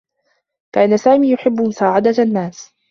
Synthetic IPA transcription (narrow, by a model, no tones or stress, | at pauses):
kaːnasaːmiːjʊħɪbːʊmʊsaːʕɪd̪anːaːs